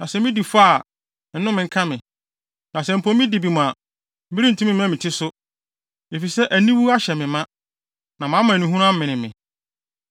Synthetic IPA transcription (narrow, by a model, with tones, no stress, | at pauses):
nã˨sɛ˨mĩ˦di˨fa˦˨ | n̩˦nʊ̃˦mɪ̃˨ŋ̩˦kʰã˦mɪ̃˨ | nã˨sɛ˨m̩˨pʰõ˦m˦mĩ˦di˨bi˨mʊ̃˨a˨ | m̩˦bi˦ɾĩ˦n̩˨tʰũ˦mɪ̃˦m˦ã˦mɪ̃˨tʰɪ˦sʊ˦ | e˨fi˨sɛ˦ʔæ˨nĩ˦wu˦a˦ɕɛ˨mɪ̃˨mã˦ | nã˨mã˨˦mã˨nĩ˨ɦũ˦ɾ̃a˦m̩˦mɪ̃˨nɪ̃˨mɪ̰̃˨